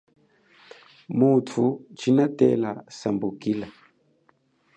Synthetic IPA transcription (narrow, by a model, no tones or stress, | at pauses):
mutʰut͡ʃinatɛ̰lasambukila